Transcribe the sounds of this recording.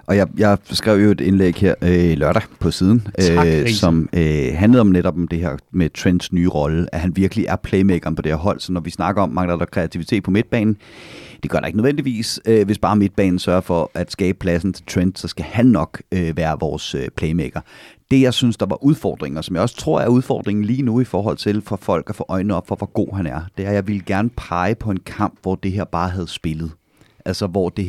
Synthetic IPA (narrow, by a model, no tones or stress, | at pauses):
ʔɒ̽jɑ̈ɪjɑ̈ɪsɡ̥ʁɛʊ̰jo̝e̝d̥enleːɡ̥heɐ̰ølɶɐ̰ɾ̥æpʰɒ̽siːð̞ˠn̩øsɒ̽møɦænləð̩ˠɒ̽mneɾ̥ɒ̽b̥ɒ̽md̥e̝ɦeɐ̰met͡sʰʁend̥snyːʁɒ̽ləʔæɦænʋiɐɡ̥liʔæɐpʰleɪmeɡ̥ɐnpʰɒd̥e̝ḛɐ̰ɦɒ̽l̰sɒ̽nɒʋisnɑ̈ɡ̥ɐɒ̽mːɑ̈ŋədɑd̥ɒkʰʁeæt͡sʰiʋit͡sʰe̝̰ːd̥̚pʰɒ̽me̝d̥̚b̥ɛ̰ːnn̩d̥e̝ɡ̥ɶɐɾ̥ɑe̝ɡ̥nəððˠen̰d̥iʋḭːsøʋe̝sb̥ɑ̈ːme̝d̥̚b̥ɛ̰ːnn̩sɶɐfɒ̽ʔæd̥sɡ̥ɛ̰ːb̥əpʰlæsn̩t͡sʰe̝lt͡sʰʁend̥sɒ̽sɡ̥æhænːɒ̽ɡ̥øʋæːɐʋɒːsøpʰlɛɪmeɡ̥ɐd̥e̝jɑ̈ɪsynsd̥ɑ̈ʋɑ̈ʔuð̞ˠfɒ̰ːd̥ʁeŋɐsɒmjɑ̈ɪɒ̽st͡sʰʁo̝ɐ̰æɐuð̞ˠfɒ̰ːd̥ʁeŋn̩liːnuifɒːɦɒ̽l̰t͡sʰe̝lfɒ̽fɒ̽l̰ɡ̥æfɔ̰ːʔɒ̽ɪ̰n̩ˠɒ̽b̥fɒ̽ʋɒɡ̥o̝̰ːɦænæɐd̥e̝æɐjɑ̈ɪʋeləɡ̥æɐnəpʰɑ̈ɪəpʰɒ̽e̝nkʰɑ̈m̰b̥ʋɒd̥e̝ɦeɐ̰b̥ɑ̈ːɦæð̞ˠsb̥e̝lð̞̩ˠ | ʔælsɒʋɒd̥e̝